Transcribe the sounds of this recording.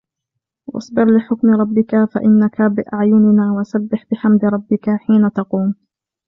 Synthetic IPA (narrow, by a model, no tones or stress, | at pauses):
wʔɑ̰sˤbɪɾlɪħʊkmɾˤɑbːɪkafa̰ʔɪnːakabɪʔaʕjʊnɪnaːwaʔsabːɪħbɪħamd̪ɾˤɑbːɪkaħiːnat̪ɑquːm